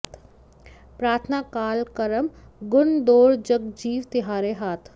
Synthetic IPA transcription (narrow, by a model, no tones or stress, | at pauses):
pɾaːɾt̪ʰnaːkaːlkəɾəm | ɡʊnd̪oːɾd͡ʒəɡd͡ʒiːʋt̪ɪɦaːɾeɦaːt̪ʰ